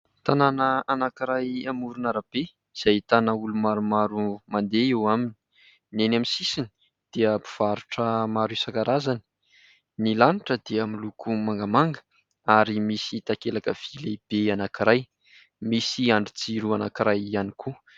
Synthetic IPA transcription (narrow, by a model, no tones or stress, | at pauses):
t̪ananəanakiɾajamuɾunaɾab̥e | iz̥ajt̪anaulumaɾumaɾumand̪eewamini̥ | nenamisisini | d̪̥eəpu̥v̥aɾuʈ͡ʂəmaɾisakaɾazani̥ | nilaniʈ͡ʂəd̪eəmilukʰumaŋɡamaŋɡə̥ | aɾimisit̪akelakəv̥ileb̥eanakiɾaj | misiaɳɖ͡ʐut͡siɾuana̰kiɾajanikʰu